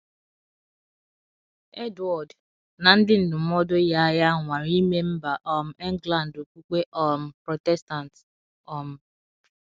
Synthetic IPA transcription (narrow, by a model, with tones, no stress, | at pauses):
e˦dwɔ˨d | na˨n̩˦dɪ˦n̩˨dʊ˨m̩˦ɔ˦do˦ja˦ja˦ŋʷa˨ɾi˦me˦m̩˦ba˨ʔɔ˨m̩˨ɛ˦ŋ˦ɡla˨n˨do˨kʷu˦k͡pe˦ʔɔ˨m̩˨pɾo˨tɛ˦sta˨n˨t | ɔ˨m̩˨